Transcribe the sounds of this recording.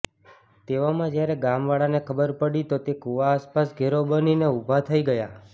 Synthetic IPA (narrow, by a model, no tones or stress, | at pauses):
t̪eʋamãd͡ʒjaɾeɡamʋaɭanekʰəbəɾpəɽit̪ot̪ekuʋaːspasɡʱeɾobənineubʱat̪ʰəiɡəja